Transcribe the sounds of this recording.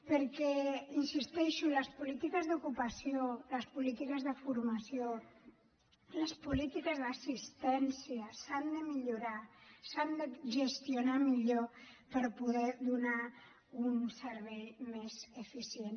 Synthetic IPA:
pəɾkɛinsist̪ɛʃuləspulit̪ikəzðukupəsioləspulit̪ikəzðəfuɾmasio | ləspulit̪ikəzðəsist̪ɛnsijəsand̪əmiʎuɾasand̪əʒəst̪iunamiʎopəɾpuðɛðuna | unsəɾβɛjmezefisjen

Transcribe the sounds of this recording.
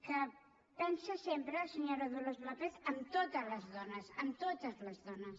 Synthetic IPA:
kə | p̪ɛnsəsempɾəːsəɲoɾəðulozβlapetəmt̪ot̪əzləzðɔnəsəmt̪ot̪əzləzðɔnəs

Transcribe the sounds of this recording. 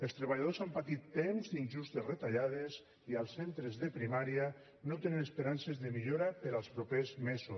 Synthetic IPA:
elˠst̪ɾeβaʎaðozampat̪it̪ːemzd̪inʲʒust̪esret̪aʎaðez | ialˠsːent̪ɾezðepɾimaɾia | not̪enenespeɾansezðemiʎoɾapeɾalˠspɾopezmezu

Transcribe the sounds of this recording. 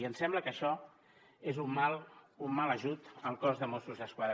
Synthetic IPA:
iənsɛmbləkəʃɔ | ezummalˠumːaləʒut̪əlˠkɔzðəmosuzðəskwað

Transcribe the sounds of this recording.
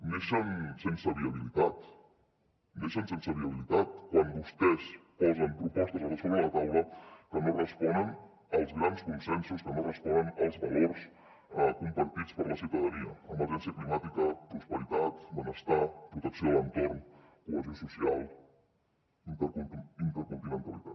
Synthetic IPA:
neʃəmsensəβiəβ̞ilit̪at̪ | neʃənsensəβiəβilit̪at̪̚kwambust̪ɛspɔzəmpɾupɔst̪əzaləsoβəðət̪awləkənorəspɔnən | əlˠzɣɾanskunsɛnsuskənorəspɔnənəlˠzβaloɾs | kumpəɾt̪it͡spəɾləsiwt̪əðəniəəmbəʒɛnsiəklimat̪ikəpɾuspəɾit̪at̪mənəst̪apɾut̪əksiolənt̪oɾn | kuəzjosusialˠ | int̪əuint̪əɾkunt̪imə̃nt̪əlit̪at̪

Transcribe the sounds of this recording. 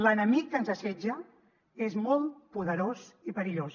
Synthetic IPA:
lənəmikːənzəsɛd͡ʒə | ezmɔlˠt̪puðəɾozipəɾiʎos

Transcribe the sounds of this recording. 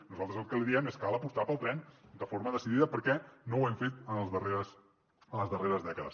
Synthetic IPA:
nuzalˠt̪ɾəzəlˠkəliðiɛmeskalˠəpust̪apəlˠt̪ɾɛnd̪əfoɾməðəsiðiðəpəɾkɛnowɛmfet̪ənəlˠzðəreɾəs | ənləzðəreɾəzðɛkəðə̰s

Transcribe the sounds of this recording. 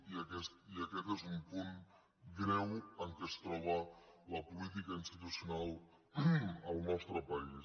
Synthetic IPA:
iəkɛst̪̚iəkɛt̪ezumpun | ɡɾɛwəŋkɛst̪ɾɔβ̞ələpulit̪̬ikainst̪it̪usiunalˠ | əlˠnɔst̪ɾəpəi

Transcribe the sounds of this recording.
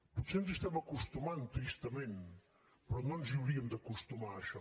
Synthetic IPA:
put̪senzist̪ɛmakust̪umant̪ɾist̪əmen | pɾɔnonziuwɾiəmd̪əkust̪umaːʃɔ

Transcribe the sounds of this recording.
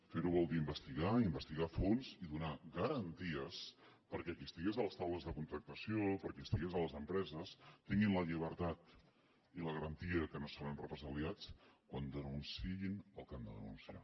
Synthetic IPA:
feɾuβɔlˠd̪iimbəst̪iɣaimbəst̪iɣafonziðunaɣəɾənt̪iəspəɾkɛkist̪iɣezələst̪awləzðəkunt̪ɾək̚t̪əsiopəɾkɛst̪iɣizələzəmpɾɛzəst̪iŋɡinləʎiβ̞əɾt̪at̪ | iləɣəɾənt̪iəkənosoɾənrəpɾəzəliat͡skwand̪ənunsiinəlˠkand̪ə̰ðə̰nṵnsia̰

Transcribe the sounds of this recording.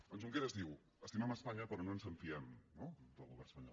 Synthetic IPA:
dɔnzuŋkeɾəzðiw | əst̪imɛməspaɲəpɾɔnoənzəɱfiɛmnod̪əlˠɣuβɛrnə̥spəɲɔ̰l

